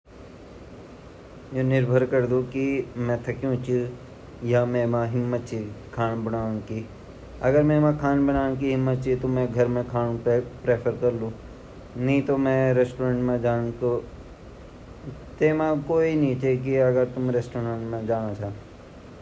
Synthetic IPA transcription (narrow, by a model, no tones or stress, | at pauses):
jõːnɪɾbʱəɾkəɾd̪ukimɛ̃ːt̪ʰɐkjũt͡ʃʰi | jamɛ̃ːmãɦɪmːət̪̚t͡ʃʰiːkʰaːnbənaːñkiː | ɐɡəɾmɛ̃ːmãkʰaːnbəɽ̃aːɽ̃k̬iɦɪmːət̪̚t͡ʃʰit̪omɛ̃ɡʱɐɾmẽkʰaːñũpɾeːpʰəɾkɐɾlũː | nɐɦĩt̪omɛ̃ɾesʈoːɾə̃ɳʈmẽd͡ʒaːko | t̪eːmãkoːiniːt͡ʃek̬iɐɡəɾt̪ʊmɾeːsʈoːɾə̃ɳʈmẽd͡ʒaːñat͡ʃʰaː